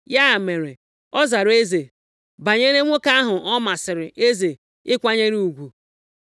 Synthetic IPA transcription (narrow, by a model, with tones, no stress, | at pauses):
ja˦˨me˨ɾe˨ | ɔ˦za˨ɾe˦ze˨ | ba˨ɲe˦ɾe˦ŋʷo˦ka˦a˦ɦʊ˨ʔɔ˦ma˨sɪ˨ɾɪ˨ʔe˦ze˨ | ɪ˦kʷa˦ɲe˦ɾi˦u˨ɡʷu˨